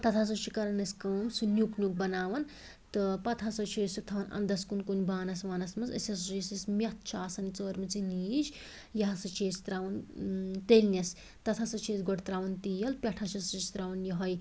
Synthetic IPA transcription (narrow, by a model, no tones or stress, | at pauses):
t̪ɐt̪ʰas̬ɐt͡ʃʰikɐɾɐnɐskɐwmsunʲuknuk̚bɐnaːʋɐn | t̪ɨpɐt̪ʰasɐt͡ʃʰiːsut̪ʰɐʋɐnɐ̰nd̪ɐskunkunbaːnɐsʋaːnɐsmɐsɐ̰sjɐsot͡ʃesismʲɐt̪̚ʰt͡ʃʰaːsɐnit͡səːɾmɐt͡siniːd͡ʒ | jɐɦɐsɨt͡ʃʰeːst̪ɾaːʋɐnt̪elnʲɐs | t̪ɐt̪ʰasɐt͡ʃʰeːsɡoʈt̪ɾaːʋɐnt̪iːjɐlpʲɐʈʰat͡ʃʰɐsist̪ɾaːʋɐnjɐɦɐj